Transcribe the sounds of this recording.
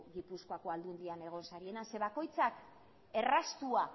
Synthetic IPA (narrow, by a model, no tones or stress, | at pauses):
ɣipuskoako̞ald̪und̪iane̞ɣ̞o̞nsaɾie̞nase̞βako̞jt͡sak | e̞rast̪ua